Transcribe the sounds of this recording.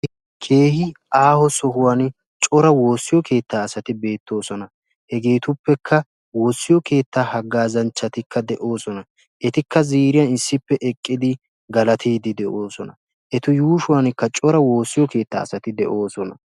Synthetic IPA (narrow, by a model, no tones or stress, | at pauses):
kʰe̞ːhɪʔaːhɔsɔhʊwaːn | t͡ʃʼɔɾɐwo̞ːsːɪjɔke̞ːt̪ːaːsɐt̪ɪbe̞ːt̪ʰːo̞ːsɔnɐ | hɛɡe̞ːt̪ʊpːɛkʰːɐ | wo̞ːsːɪjɔke̞ːt̪ːaːhɐɡːaːzɐnt͡ʃːɐt̪ɪkːɐd̪ɛʔo̞ːsɔnɐ | ʔɛt̪ɪkːɐziːɾɪjɐnɪsːɪpːɛʔɛkʼːɪd̪ɪ | ɡɐlɐt̪ʰiːd̪ɪd̪ɛʔoːsɔnɐ | ʔɛt̪ʊjuːʃʊwaːnkːɐt͡ʃʼɔɾɐwo̞ːsːɪjɔke̞ːt̪ːa̰ːsɐt̪ɪd̪ɛʔo̞ːsɔnɐ